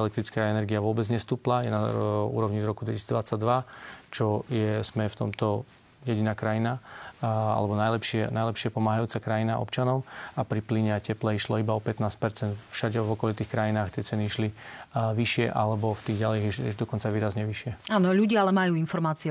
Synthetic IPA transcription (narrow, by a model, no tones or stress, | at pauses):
ɛlɛk̚t̪ɾit͡skaɛnɛɾɡiaʋʊɔbɛd͡zɲɛst̪uːplajɛnaṵːɾɔʊɲid̪ɾɔkud̪ʋɛcisiːd͡zd̪ʋat͡saɟd̪ʋat͡ʃɔjɛz̥mɛft̪ɔ̰mt̪ɔ | jɛɟinaːkɾajina | a̰lɛbɔnajlɛpʃɪɛnajlɛpʃɪapɔmaːɦajuːt͡sakɾajinaʔɔ̰pt͡ʃanɔʊapɾipliɲɛacɛplɛiʃlɔibaɔpɛt̪naːsc̚pɛɾt͡sɛnt̪fʃaɟɛvɔkɔlit̪iːxkɾajinaːxt̪ɪɛt͡sɛniiʃliʋiʃɪɛʔalɛbɔft̪iːɣɟaliːxɛ̰ʒd̪ɔkɔnt͡saʋiːɾazɲɛʋiʃɪɛaːnɔʎuɟɪaalɛmajuːinfɔɾmaːt͡siɛ